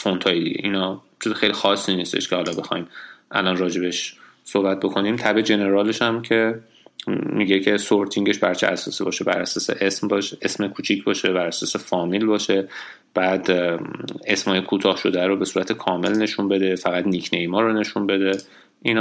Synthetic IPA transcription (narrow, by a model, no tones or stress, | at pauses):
font̪ʰɒjlḭḛʔiːnɒː | t͡ʃʰizexejlixɒːsːiːniːst̪ḛʃcʰʲehɒːlɒbe̞xɒ̰jmʔæ̰lɒnrɒːd͡ʒe̞beʃ | sohbæt̪̚bo̞kʰo̞nimt̪ʰæbe̞d͡ʒe̞ne̞ɾɒːle̞ʃæmcʰe̞ | miɟecʰe̞soɾt̪ʰiŋɟe̞ʃbæɾt͡ʃʰeʔæsɒːsibɒːʃebæ̰ɾæsɒːse̞̰ʔesmbɒʃʔesmekʰuːt͡ʃʰicʰbɒːʃebæɾæsɒːse̞fɒːmilbɒːʃe̞ | b̥æːd̪ | e̞smhɒːjekʰuːt̪ʰɒːhʃo̞d̪æɾobe̞suːɾæt̪ʰekʰɒːme̞lne̞ʃunbe̞d̪e̞fæɣæd̪nikʰnejmɒːɾone̞ʃunbe̞d̪e̞ | ʔin